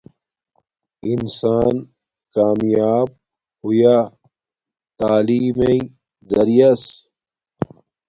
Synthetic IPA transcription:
insaːn | kaːmjaːb̚ | huja | t̪aːliːmei | zɐɾijɐs

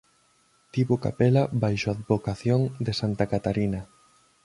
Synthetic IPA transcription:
t̪iβoka̰pɛlabajʃoaðbokaθjoŋd̪esant̪akat̪aɾinɐ

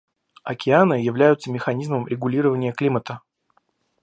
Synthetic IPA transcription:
ɐkʲɪanɨjɪvlʲæjʊt̪səmʲɪxɐnʲizməmɾʲɪɡʊlʲiɾəvənʲɪjəklʲimət̪ə

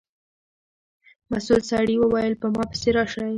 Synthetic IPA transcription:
masulsɑɽiwəwɑjəlpəmɑpə̥seɾɑʃaj

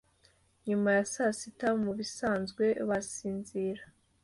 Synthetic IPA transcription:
ɲumajasasitamuβisaːnzɡwe̞βasiːnziːɾa

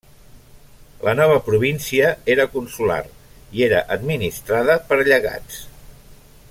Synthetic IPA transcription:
lʔənɔβ̞əpɾuβ̞insiəeɾəkunsula̰r | ieɾə̰ʔəd̪minist̪ɾaðəpəɾʎəɣa̰t͡s

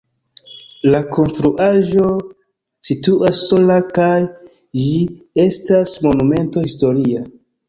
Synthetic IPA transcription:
lako̞nstɾuʔaʒo̞ | situʔasːo̞lakaj | d͡ʒi | e̞stasmo̞nume̞nto̞histo̞ɾia

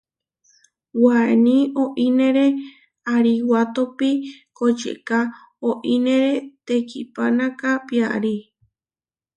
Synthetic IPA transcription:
wanĩoʔĩnẽɾe | aɾiwat̪opikod͡ʒḛka | oʔinẽɾet̪ekʰipanãkapia̰ɾi

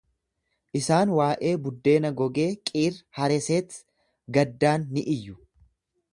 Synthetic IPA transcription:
ʔɪsaːnwaːʔe̞ːbʊd̪ːe̞ːnɐɡɔɡe̞ːkʼiːrhɐɾɛseːt̪ | ɡɐd̪ːaːnːɪʔɪjːʊ

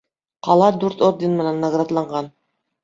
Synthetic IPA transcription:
qɑlˠɑd̪ʉɾt̪ot̪̚d̪ʲinmɤ̆nɑnːaɡrad̪lˠɑɴɢɑn

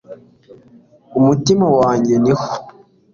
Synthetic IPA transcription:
umutimawaːɲɟeniho̥

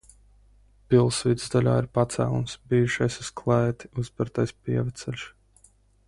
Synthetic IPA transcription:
pilˠsvid̪zd̪alʲa̰ːiɾpat̪sæ̰ːlˠumsbiːuʃajsuskʰlˠɛːt̪i̥uzbɨɾt̪ajspiɛvɛt̪sɛlʲʃ

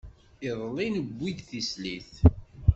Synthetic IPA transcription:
ɪðˤlinəbʷːid̪θisliθ

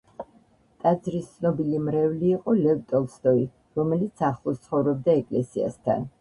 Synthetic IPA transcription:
t̪ʼad̪zɾist̪sʰnɔbilimɾɛvliːqʼɔlɛvt̪ʼɔlˠst̪ʼɔi | ɾɔmɛlit̪sʰaχlˠɔst̪sʰχɔvɾɔb̚d̪aɛkʼlɛsia̰st̪ʰa̰n

